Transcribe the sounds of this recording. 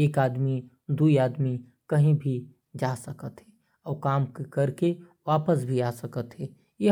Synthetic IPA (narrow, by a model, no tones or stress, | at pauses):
eːkaːd̪mi | d̪uiaːd̪mi | kɐɦĩbʱi | d͡ʒaːsəkət̪ɦɛ | ɔːɾkaːmkkɐɾke | ʋaːpəsbʱiaːsəkət̪ɦɛː | je